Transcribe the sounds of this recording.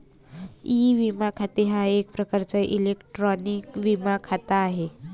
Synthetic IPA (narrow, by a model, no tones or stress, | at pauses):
iʋimakʰat̪eɦaek̚pɾəkaɾt͡səʔilekʈɾɔnikʋimakʰat̪aːɦe